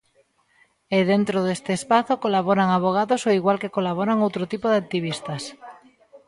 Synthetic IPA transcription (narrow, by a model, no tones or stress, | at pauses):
ɪðent̪ɾoðest̪ɪːspaθokolaβɔɾaŋaβ̞oɣ̞aðosoiɣwalkekolaβ̞ɔɾaŋowt̪ɾʊt̪ipoðɪak̚t̪iβ̞ist̪ɐs